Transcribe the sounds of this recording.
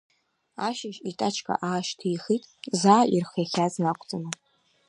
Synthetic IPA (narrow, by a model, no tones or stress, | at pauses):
aʃaʒitʼat͡ʃʰkʼa̰ʔaːʃtʰijχitʼzaːʔirχjaxʲaznakʷʰʼt͡sʼana